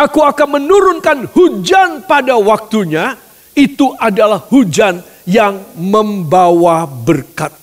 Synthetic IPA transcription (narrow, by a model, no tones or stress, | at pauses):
akuakanmənuɾʊnkanhud͡ʒanpadawak̚t̪uɲa | it̪uʔadalahhud͡ʒan | jaŋməmbawabərkat̪̚